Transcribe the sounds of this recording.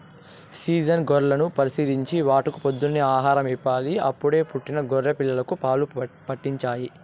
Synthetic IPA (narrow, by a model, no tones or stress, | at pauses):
siːd͡ʒɐnɡɔɾlɐnupɐɾisid̪ʱiɲt͡ʃiʋaːʈukupod̪ːunːiaːɦaːɾɐmipːaːliɐpːuɽe̞ːpuʈːinɐɡɔɾɾɐpilːɐlɐkupaːlupɐʈːiɲt͡ʃaːji